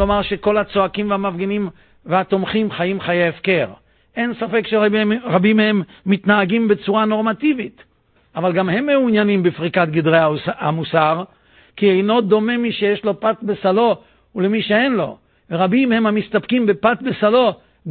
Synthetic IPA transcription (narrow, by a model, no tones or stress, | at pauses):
omaʁʃeko̞lhat͡so̞akimveamavɡenim | veat̪o̞mχimχajimχajeefke̞ʁ | ʔe̞nsafe̞kʃeʁabimhemː | it̪naːɡimbe̞t͡suʁano̞ʁmat̪ivit̪ | avalɡamhe̞mːeunjanimbefʁikat̪̚ɡid̪ʁeaa̰musaʁ | kiejno̞d̪o̞me̞miʃejeʃlo̞pat̪besalo̞ | ulemiʃe̞enlo̞̰ | veʁabimhe̞mhamist̪apkimbepat̪besalo̞ | ɡ